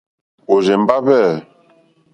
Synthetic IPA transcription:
o˨ʒɛ˨m˦ba˦βɛ˦˨

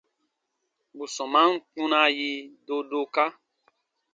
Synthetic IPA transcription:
bu˨sɔ̃˨mã˦n̩˦k͡pũ˦na˧ji˧do˦do˧ka˦

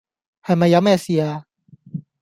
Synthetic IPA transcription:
ha˧˩ma˧ja˦˥mɛː˧˩si˧a˧

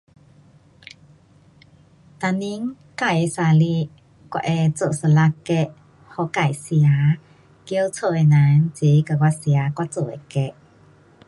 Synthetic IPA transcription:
t̪a˧ni˧˥ŋ | ka˧˨jsa˧li˧ | kwa̰˧ʔɛ˧t͡so˧˨sə˧˨la˧ke˧ʔ | hɔ˧˨ka˧˩jsi˧˨a˨˦ | ki˧ə˧wt͡sʰo˧˨e˧˨na˨˦nt͡si˨˦ka˧˨kwa˧si˨a˨˦kwa˧t͡so˧˨ɛ˧˨ke˧˨ʔ

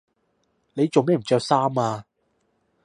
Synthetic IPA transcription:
ne˨˧jt͡so˨wmɛː˥m̩˨˩t͡ʃœː˧k̚saː˥maː˧

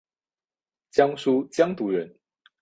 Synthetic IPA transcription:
t͡ɕjɑ˥ŋʂu˥t͡ɕjɑ˥ŋt̪u˨˧˥ɻə˨˧˦n

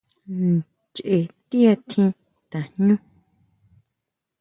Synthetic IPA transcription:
n | t͡ʃʔe˨t̪ĩ˦a˧t̪ʰĩ˧ | t̪ã˨ɲ̥ɲũ˦

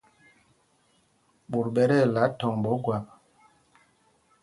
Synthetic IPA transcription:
ɓu˨ɾɓɛ˦ɾɛ˦˨la˨˦tɔ˨ŋɓɔ˨˦ɡwa˨

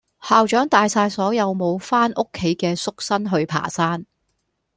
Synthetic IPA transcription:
haː˨˧wt͡ʃœː˨˥ŋt̪aː˨jsaː˧jsɔː˨˥jɐ˨˧wmo˨˧wfaː˥nʔʊ˥kʰːe˨˥jkɛː˧sʊ˥k̚sɐ˥nɦɵ˧ɥpʰa̰ː˨˩saː˥n

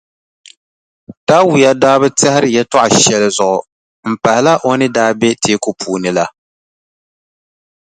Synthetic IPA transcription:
ta˦wʊ˨ja˦daː˦bɨ˦tɛ˦hɪ˦ɾɨ˦jɛ˦tɔ˦ʔa˨ʃɛ˦lɨ˦zʊ˨ʔʊ˨ | m̩˨pa˨hɪ˨˦la˦ʔo˦nɨ˦daː˦bɛ˦tʰeː˦ko˦pʰuː˨nɨ˨la˦

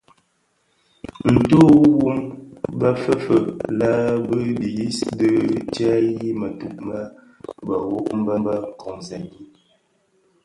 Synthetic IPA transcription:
n̩˨to˦wu˦mba˦fə˦fə˨la˦bə˦di˨ji˦sdə˦t͡ʃa˦ji˦mə˨tu˨p̚ma˦ | ba˨wo˦ʔm˦ba˦mba˦˨kɔ̃˨ŋzɛ˨ɡi˦

